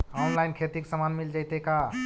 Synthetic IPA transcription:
ɔnlajnkʰet̪iksəmanmild͡ʒajt̪eka

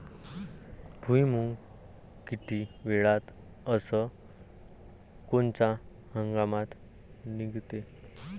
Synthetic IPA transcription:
bʱujmuŋɡ | kiʈʰiʋeɭat̪ | əsə | kont͡ɕa | həŋɡamat̪ | niɡt̪e

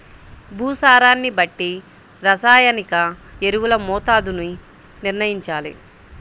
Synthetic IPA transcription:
bʱuːsaːɾaːnːibɐʈːi | ɾɐsaːjɐnikɐeɾuwulɐmɔːt̪aːd̪unu | niɾnɐjiɲt͡ʃaːlḭ

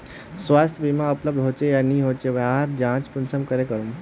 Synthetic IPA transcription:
sʋast̪ʰəbimaupləb̚d̪ʱɦot͡ʃejaniːɦot͡ɕeʋaɦaɾd͡ʑãt͡spunsəmkəɾekəɾum

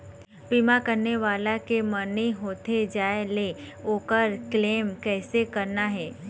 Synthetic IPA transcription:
piːmakɐɾneʋaːlakeməneɦoːt̪ed͡ʒaːeleoːkəɾkleːmkɛːsekɐɾnaɦɛː

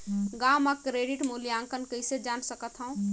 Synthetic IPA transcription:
ɡaːməkɾeːɖiʈmulijãːŋkənkəɪsed͡ʒaːnsəkət̪ɦəũ

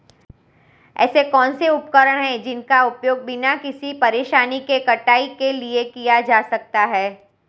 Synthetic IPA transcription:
ɛ̰ːsekɔːnseʊp̚kəɾəɽ̃ɦɛ̃d͡ʒɪnkaʊpjoːɡ̚bɪnakɪsipɐɾeːʃaːnikekɐʈaːikeliekijad͡ʒaːsɐk̚t̪aɦɛː

